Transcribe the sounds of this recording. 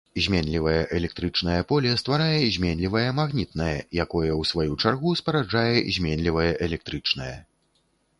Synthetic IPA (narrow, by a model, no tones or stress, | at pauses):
zʲmʲɛnʲlʲivɐjɛʔɛlʲɛk̚t̪ɾɨt͡ʂnɐjɐpɔlʲɛst̪vaɾajɛzʲmʲɛnʲlʲivɐjɛmaɣnʲit̪nɐjɐjakɔjɐwsvajut͡ʂarɣuspɐɾad͡ʐajɛzʲmʲɛnʲlʲivɐjɛʔɛlʲɛk̚t̪ɾɨt͡ʂnɐjɐ